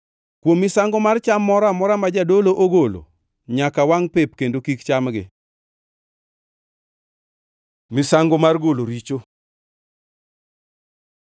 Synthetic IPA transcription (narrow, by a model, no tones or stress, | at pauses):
kwomːɪsaŋɡomart͡ʃamːɔɾamɔɾamad͡ʒadoloʔoɡolo̰ | ɲakawaŋpep̚kendokikt͡ʃamɡɪ̰ | mɪsaŋɡomarɡoloɾit͡ʃo